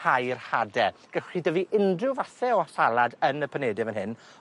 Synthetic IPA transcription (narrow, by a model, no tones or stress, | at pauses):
hajrhadɛɡ̥ɛχidəviʔɪndrɪwvaθɛɔɬalˠadənəpʰənɛːdɨvənhɪn